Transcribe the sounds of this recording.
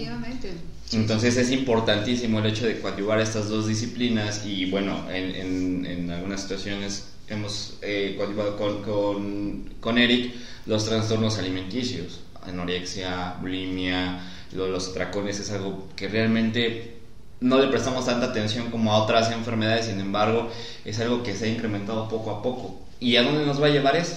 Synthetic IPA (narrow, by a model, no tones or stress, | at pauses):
iament̪ | ent̪o̞nse̞se̞s̬impo̞ɾt̪ant̪isimo̞e̞le̞t͡ʃo̞ðe̞kwawt̪iβaɾe̞st̪azðo̞zðis̬iplinasiβwe̞no̞̰enḛnḛnalɣunasːi̥t̪wasjo̞ne̞s | e̞mo̞s | ekwawt̪iβað̞okonkonko̞ne̞ɾik | lo̞st̪ɾanst̪o̞ɾno̞saliment̪isjos | ḛnoɾeksjabulimja | loðelo̞sat̪ɾako̞ne̞se̞salɣo̞ke̞realmẽnt̪e̞ | no̞le̞pɾest̪amo̞st̪ant̪aːt̪e̞nsjo̞ŋkomoao̞t̪ɾas̬e̞ɱfe̞ɾme̞ð̞aðes̬inẽ̞mbaɾɣ̞o̞ | e̞s̬alɣo̞ke̞seaiŋkɾe̞ment̪aðo̞po̞ko̞apo̞ko̞ | iaðo̞nd̪eno̞zβaːʝe̞βaɾe̞so